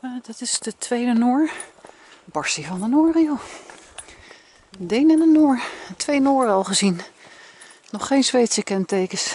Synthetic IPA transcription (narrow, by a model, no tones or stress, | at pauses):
dɑtɪsdətʋejdənʊːɹ | bɑɹsivɑndənʊːriow | dejnɛnənʊːɹtʋejnʊːɾɑlˠχəzin | nɔχːejnzʋejtsəkɛntejkəs